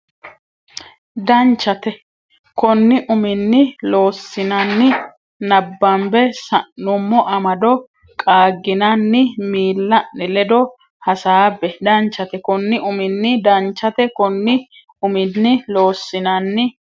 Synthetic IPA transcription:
d̪ɐnt͡ʃːɐt̪ɛ | kɔnːɪʔʊmɪnːɪlo̞ːsːɪnɐnːɪ | nɐbːɐmbɛsɐnːʊmːɔʔɐmɐd̪ɔ | kʼaːɡːɪnɐnːɪmiːlːɐnɪlɛd̪ɔ | hɐsaːbɛd̪ɐnt͡ʃːɐt̪ɛkɔnːɪʔʊmɪnːɪd̪ɐnt͡ʃːɐt̪ɛkɔnːɪ | ʊmɪnːɪlo̞ːsːɪnɐnːɪ

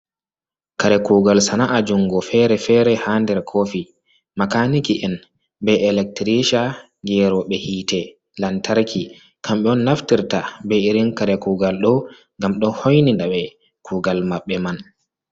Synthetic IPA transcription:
kaɾɛkuːɡalsanaʔad͡ʒuŋɡɔfɛɾɛfɛɾɛhandɛɾkʰofi | makanikiʔɛn | bɛɛlɛk̚tɾiʃa | ɡɛɾɔɓɛhiːtɛ | lantaɾkʰi | kʰamɓɛɔnːaftiɾtabɛiɾinkaɾɛkuɡalɗɔ | ŋɡamɗɔhojnindaɓɛ | kʰuɡalmaɓːɛman

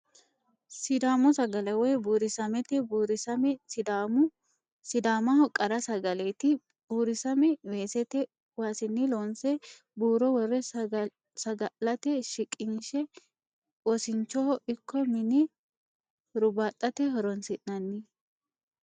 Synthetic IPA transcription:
sɪd̪aːmɔsɐɡɐlɛwɔjbuːɾɪsɐmɛt̪ɛbuːɾɪsɐmɛd̪amʊ | sɪd̪aːmɐhɔkʼɐɾɐsɐɡɐlet̪ɪ | b̥uːɾɪsɐmɛwe̞ːsɛt̪ɛ | waːsɪnːɪloːnsɛ | buːɾɔwɔrːɛ | sɐɡɐlɐt̪ɛʃɪkʼːɪnʃɛ | wɔsɪnt͡ʃːɔɔʔɪkʰːɔmɪnɪ | ɾʊbaːt̪ʼːɐt̪ɛɦɔɾɔnsɪʔnɐnːɪ

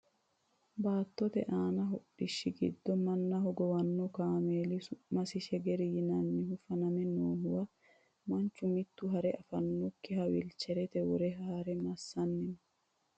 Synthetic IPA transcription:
baːt̪ːɔt̪ɛʔaːnɐɦɔɗɪʃːɪɡɪ̰d̪ːɔmɐnːɐɦɔɡɔwɐnːɔkaːmeːlɪsʊmɐsɪʃɛɡɛɾɪjɪnɐnːɪɦʊfɐnɐmɛnoːɦʊwɐ | mɐnt͡ʃːʊmɪt̪ːʊɦɐɾɛʔɐfɐnːɔkːɪhɐwɪlt͡ʃːɛɾɛt̪ɛwɔɾɛɦaːɾɛmɐsːɐnːɪn

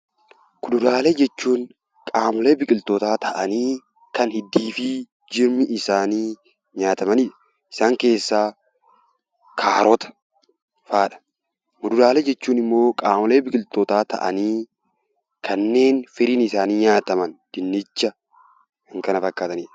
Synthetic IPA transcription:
kʊd̪ʊdaːleːd͡ʒɛt͡ʃːuːŋ | kʼaːmle̞ːbɪkʼɪlt̪oːt̪aːt̪ɐʔɐniː | kɐnhɪd̪iːfɪ | d͡ʒɪɾmɪʔɪsaːniː | ɲaːt̪ɐmɐniːᶑɐ̥ | ʔɪ̥saːŋke̞ːsːaː | kʰaːɾɔt̪ɐ̥ | faːᶑɐ̥ | kʊd̪ʊdaːled͡ʒɛt͡ʃːuːnɪmːo̞ːkʼaːmʊle̞ːbɪkʼɪlt̪ot̪aːt̪ɐ̰ʔɐ̰niː | kʰɐnːe̞ːnfɪɾiːnɪsaːniːɲaːt̪ɐmɐnd̪̥ɪnːɪt͡ʃːɐ | ɪŋkɐnɐfɐkːaːt̪ɐniːᶑɐ

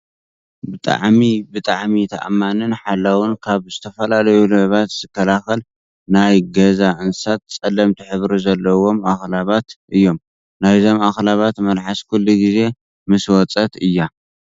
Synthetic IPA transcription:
bɨt̪ʼa̰ʕmibɨt̪ʼaʕmit̪ʰa̰ʔamːanɨnħalːawʊnkʰaβzɨt̪ʰɐfɐlalɐjulɨʕβat̪z̥ɨkʰːɐlaxɐl | najɡɐzaʔɨnsat̪̚t͡sʼɐlɐmt̪ʰiħɨβɾuzɐlːɐwo̞mʔaxlaβat̪ʔɨjːo̞m | najzo̞maxlaβat̪mɐlħaskʰulːuɡize̞ | mɨswɔt͡sʼɐt̪ɨjːa

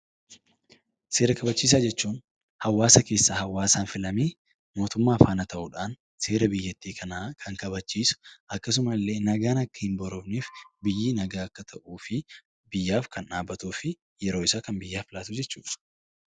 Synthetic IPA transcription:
seːɾɐkɐbɐt͡ʃːiːs̬aːd͡ʒɛt͡ʃːuːn | hɐwːaːsɐke̞ːsːaːhɐwːaːsaːnfɪlɐmeː | mo̞ːt̪ʊmːaːfaːnɐt̪ʰɐʔuᶑaːn | se̞ːɾɐbɪjːɐt̪ːiːkʰɐnaːkʰɐŋkɐβɐt͡ʃːiːsʊ̥ʔɐkːɐs̬ʊmɐlːe̞ːnɐɡaːnɐkːɐ̥hɪnbɔɾɔbniːfbɪjːiːnɐɡaːɐkːɐt̪ʰɐʔuːfɪ | bɪjːaːfkɐnᶑaːbːɐt̪uːfɪ | jɛɾoːɪsaːkɐnbɪjːaːfɪlaːt̪ʊd͡ʒɛt͡ʃːṵːᶑɐ̥

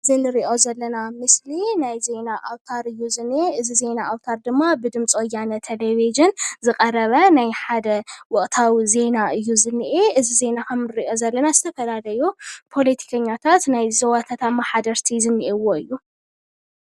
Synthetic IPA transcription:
zɨnɨɾiʔo̞zɐlːɐnamɨslinajze̞naʔawt̪ʰaɾɨjːuzɨnːeʔɨzize̞naʔawt̪ʰaɾd̪ɨmːabɨd̪ɨmt͡sʼojanɐt̪ʰelevid͡ʒɨnzɨkʼɐɾɐβɐnajħad̪ɐwɔχʼt̪ʰawize̞naʔɨjːuzɨnːiʔeʔɨzize̞nakʰɐmnɨɾiʔo̞zɐlːɐnazɨt̪ʰɐfɐlalɐjupʰo̞lɐt̪ʰi̥kʰɐɲːat̪ʰat̪najzɐwat̪ʰat̪ʰamaħad̪ɐɾt̪ʰizɨnːiʔewo̞ɨjːu

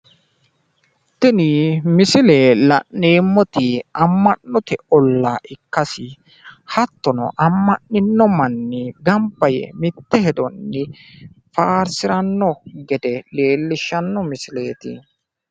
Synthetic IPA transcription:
t̪ːɪnimɪsɪleːlɐ̰ʔːeːmːɔt̪ɪɐmːɐnːɔt̪ɛɔlːaːʔɪkːɐsɪ | hɐt̪ːɔnɔ̰ʔɐmːɐnːɪnːɔmɐnːɪɡɐmpːɐjɛ̰mɪt̪ːɛhɛd̪ɔnːɪ | faːɾsɪɾɐnːɔɡɛd̪ɛle̞ːlːɪʃːɐnːɔmɪsɪleːt̪ɪ

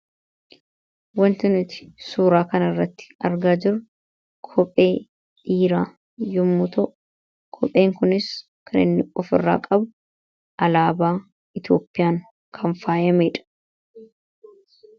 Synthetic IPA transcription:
wɐnt̪ɪnɪt̪ɪ̥suːɾaːkɐnɐɪrːɐt̪ːɪ̥ɐɾɡaːd͡ʒɪɾʊ | kʰɔpʼːe̞ː | ᶑiːɾaː | jʊmːʊt̪ɔʔʊ | kʰɔpʼːe̞ːŋkʊnɪs | kʰɐnɪ̰nːɪɔfɪrːa̰ːkʼɐbʊ | ʔɐlaːbaː | ɪt̪joːpːɪjaːŋ | kʰɐɱfaːjɐmeːᶑɐ̥

